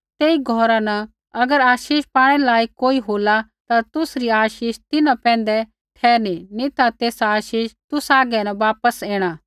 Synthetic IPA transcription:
t̪eːiɡʱɔɾãnɐ | ɐɡəɾaːʃiːʃpaːɽ̃ɛlaːikoːiɦoːlat̪at̪ʊsɾiaːʃiːʃt̪ɪnãpɛ̃ːn̆d̪ɛ | ʈʰɛːɾninĩt̪at̪eːsaaːʃiːʃt̪ʊsaːɡɛnɐʋaːpəseːɽ̃aː

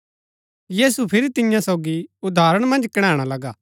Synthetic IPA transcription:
jiːsupʰɪɾit̪ɪjãsɔʊɡiʊd̪ʱaːɾəɽ̃mɐ̃nd͡ʒkɐɽ̃ãːɽ̃alɐɡaː

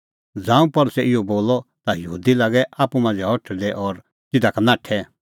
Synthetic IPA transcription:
d͡zãːũpɐɾsɛʔɪjɔboːlɔt̪ajɐɦṵːd̪ilaːɡɛʔaːpumãːnd͡zɛɔʈʰd̪ɛʔɔɾ | t̪ɪd̪akʰanãːʈʰɛ

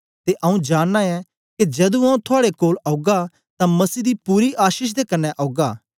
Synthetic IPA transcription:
t̪eʔɐũd͡ʒaːnːãɛ̃ | ked͡ʒɛːd̪ũãːũt̪ʰʊaːɽekoːlɐːɡa | t̪ãmɐsiːd̪ipuːɾiʔaːʃiːʃ̬d̪ekɐnːɛʔɐːɡaː

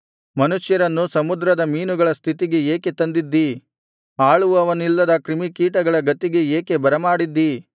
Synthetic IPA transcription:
mɐnuʂjɐɾɐnːusɐmud̪ɾɐd̪ɐmiːnuɡɐɭɐst̪ʰit̪iɡe̞eːket̪ɐnd̪id̪ːi | aːɭuʋuɐʋɐnilːɐd̪ɐkɾimikiːʈɐɡɐɭɐɡɐt̪ːiɡeeːke̞bɐɾɐmaːɽid̪ːi

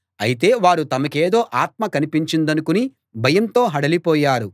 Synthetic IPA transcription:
ɐjit̪̬e̞ːʋaːɾut̪ɐmɐkeːd̪o̞ːʔaːt̪̚mɐkɐnipiɲt͡ʃind̪ɐnukuni | bʱɐjɐnt̪o̞ːɦɐɽɐlipɔːjaːɾu

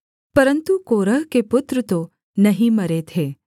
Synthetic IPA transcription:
pəɾənt̪ukoɾəɦkepʊt̪ɾət̪o | nəɦĩməɾet̪ʰe

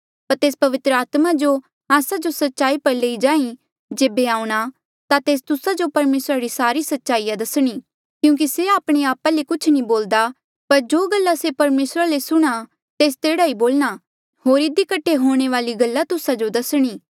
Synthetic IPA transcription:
pɐɾt̪eːspɐʋɪt̪ɾəaːt̪mad͡ʒo | aːsad͡ʒosɐtːʃaːipɐɾleːid͡ʒãːĩ | d͡ʒeːbeaːũɽ̃a | t̪at̪eːs̬t̪ʊsad͡ʒopɐɾmeːsɾaɾisaːɾisɐtːʃaːijad̪ɐsɽ̃i | kjũːk̬iseaːpɽ̃eaːpalekʊt͡ʃʰnĩboːld̪a | pɐɾd͡ʒoːɡɐlːasepɐɾmeːsɾalesʊɽ̃a | t̪eːst̪eːɽaiboːlña | ɦoːɾɪd̪ikɐʈʰːeɦoːɽ̃eʋaːliɡɐlːat̪ʊsad͡ʒod̪ɐsɽ̃iː

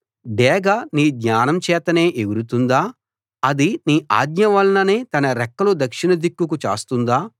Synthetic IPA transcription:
ɖɛːɡɐniːd̪ɲaːnɐmt͡ʃɛːt̪ɐneːʔeɡuɾut̪und̪aː | ɐd̪iniːʔa̰ːd̪ɲɐʋɐlɐnɐneːt̪ɐnɐɾɛkːɐlud̪ɐkʂinɐd̪ikːukut͡ʃa̰ːst̪und̪aː

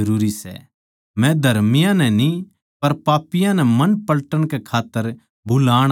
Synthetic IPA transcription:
ɐɾuːɾisɛ̰ | mɛ̃d̪ʱɐɾmɪjãnɛni | pɐɾpaːpɪjãnɛmɐnpɐlʈəɽ̃kɛkʰaːt̪ːəɾ | bʊlaːɽ̃

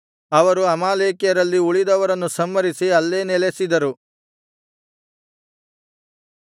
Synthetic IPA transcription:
ɐʋɐɾuɐmaːleːkjɐɾɐlːiuɭid̪ɐʋɐɾɐnːusɐmːɐɾisiɐlːe̞ːnɛlesid̪ɐɾu

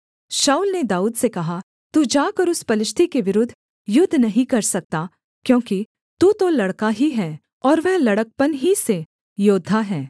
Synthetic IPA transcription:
ʃaːuːlned̪aːuːd̪sekɐɦa | t̪ud͡ʒaːkɐɾʊspɐlɪʃt̪ʰikeʋɪɾʊd̪ʱ | jʊd̪ʱːnɐɦĩkɐɾsɐk̚t̪a | kjõːki | t̪ut̪olɐɽkaɦiɦɛː | ɔːɾʋɛɦlɐɽək̚pənɦise | joːd̪ʱːaɦɛː

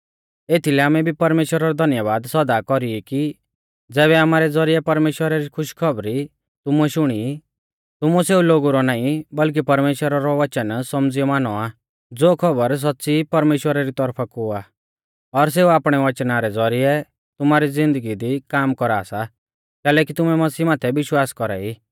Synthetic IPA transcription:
eːt̪ʰilɛaːmɛbʱipɐɾmeːʃwəɾaɾɔd̪ʱɐnjəʋaːd̪sɐd̪akɔɾiɛki | d͡zɛːβɛaːmaːɾɛd͡zɔɾijɛpɐɾmeːʃwəɾaɾikʰʊʃkʰɔbɾi | t̪ʊmuɛʃʊɽ̃ii | t̪ʊmuseːuloːɡuɾɔnaːĩbɐlk̬ipɐɾmeːʃwəɾaɾɔʋɐt͡ʃənsɐmd͡zijɔmaːnɔa | d͡zoːkʰɔbəɾs̬ɔtːsipɐɾmeːʃwəɾaɾit̪ɔɾpʰakʊa | ɔɾs̬eːuaːpɽ̃ɛʋɐt͡ʃnaɾɛd͡zɔɾiɛ | t̪ʊmaːɾid͡zɪ̃nd̪əɡid̪ikaːmkɔɾaːsa | kɛːlɛk̬it̪ʊmɛmɐsiːmaːt̪ʰɛbɪʃwaːskɔɾa̰i

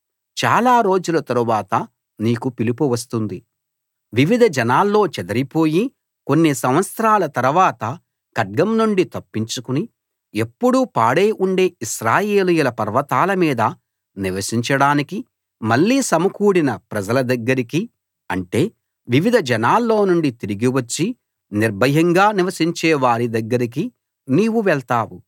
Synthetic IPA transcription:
t͡ʃaːlaːɾo̞ːd͡ʒulɐt̪ɐɾuʋaːt̪ɐ | niːkupilipuʋɐs̬t̪und̪i | ʋiʋid̪ʱɐd͡ʒɐnaːlːo̞ːt͡ʃɛd̪ɐɾipo̞ːji | ko̞nːisɐmʋɐt̪sɾaːlɐt̪ɐɾuʋaːt̪ɐ | kɐɖ̚ɡɐmnuɳɖit̪ɐpːiɲt͡ʃukuni | e̞pːuɽupaːɽeːʔuɳɖe̞ːiʃɾaːjeːlujulɐpɐɾʋɐt̪aːlɐmiːd̪ɐ | niʋɐsiɲt͡ʃɐɽaːniki | mɐɭːiːsɐmɐkuːɽinɐpɾɐd͡ʒɐlɐd̪ɐɡːɐɾiki | ɐ̰ɳʈe̞ː | ʋiʋid̪ʱɐd͡ʒɐnaːlːo̞ːnuɳɖit̪iɾiɡiʋɐt͡ʃːi | niɾbʱɐɦɐŋɡaːniʋɐsiɲt͡ʃɛːʋaːɾid̪ɐɡːɐɾik̬i | niːwuʋɛɭt̪aːwu

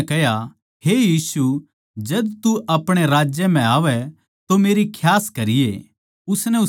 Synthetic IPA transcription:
kɛːja | ɦejiːsu | d͡ʒɐd̪t̪uʔɐpɽ̃eɾaːd͡ʒjəm̤ɛ̃aːʋɛ | t̪omeːɾikʰjaːskɐɾɪjḛ | ʊsnɛʊ

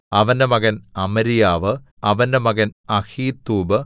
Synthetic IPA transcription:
ɐʋɐndemɐɣɐnɐmɐɾijaːʋɨ | ɐʋɐndemɐɡɐnɐhiːt̪ːuːbɨ

